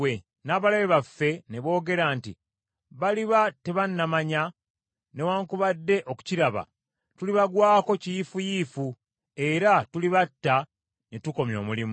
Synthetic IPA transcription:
e | naːβalaβeβafːe̞ne̞βo̞ːɡe̞ɾaːnti | βaliβateβanːamaɲa | ne̞waːŋkuβadːe̞ʔo̞ku̥ciɾaβa̰ | tuliβaɡwaːko̞cijifujiːfu | e̞ɾatuliβatːa | netuko̞mjo̞ːmulim

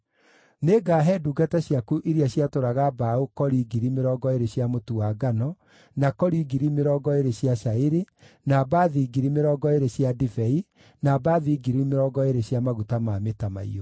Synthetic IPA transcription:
neɡaːɦɛduɡataɕjakuʔiɾjaɕjatoɾaɣabaokɔɾiɡiɾimeɾɔːɡɔeɾeɕjamotuaɡanɔ | nakɔɾiɡiɾimeɾɔːɡɔeɾeɕjaʃaeɾi | nabaðiːɡiɾimeɾɔɡɔeɾeɕjadivɛi | nabaðiɡiɾimeɾɔɡɔeɾeɕjamaɣutamaːmetama̰ḭo

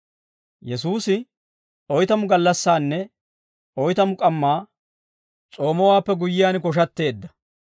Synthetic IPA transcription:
jɛsuːsɪ | ɔjt̪ɐmʊɡɐlːɐsːaːnːɛ | ɔjt̪ɐmʊkʼɐmːaː | t͡sʼo̞ːmɔwaːpːɛɡʊjːɪjaːnkɔʃ̬ɐt̪ːe̞ːd̪ːɐ

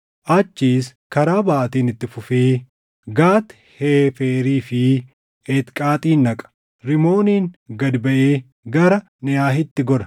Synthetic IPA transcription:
ʔɐt͡ʃːiːs | kɐɾaːbɐʔɐt̪iːnɪt̪ːɪfʊfeː | ɡaːt̪ | heːfeːɾiːfɪ | ɛt̪kʼaːt̪ʼiːnːɐkʼɐ̥ | ɾɪmo̞ːniːŋɡɐd̪bɐʔeː | ɡɐɾɐ | nɪjaːɦɪt̪ːɪɡɔɾɐ

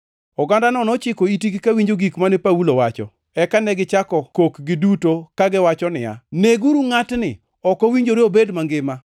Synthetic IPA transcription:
ɔɡandanɔnɔt͡ʃɪkoitiɡikawiɲd͡ʒoɡikmanɪpaulowat͡ʃɔ̰ | ɛkanɛɡɪt͡ʃakɔkokɡɪdutokaɡɪwat͡ʃɔnɪ̰ja̰neɡuɾuŋatnɪ | ɔkowiɲd͡ʒoɾeobedmaŋɡɪma

